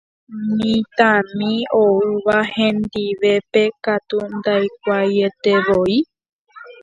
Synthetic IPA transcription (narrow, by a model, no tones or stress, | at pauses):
mĩt̪ãmĩoɨʋahẽ̞nd̪iʋe̞pe̞kat̪und̪ajk̚ʷaje̞t̪e̞ʋoi